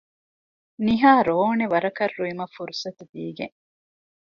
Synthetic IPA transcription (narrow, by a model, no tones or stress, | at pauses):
niɦaːɾoːneʋɐɾɐkɐrːuimɐfuɾusɐt̪ud̪iːɡḛŋ